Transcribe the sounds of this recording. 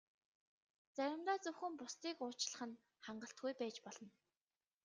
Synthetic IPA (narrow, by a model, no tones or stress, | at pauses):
t͡sæɾʲɪ̆mt̪aːt͡sɵwxɘ̆mpʊst̪iːkʊːt͡ɕɮə̥̆χə̆n | χaɴɢə̆ɬt̪̚ɡujpæːt͡ɕpɔɮɞ̆n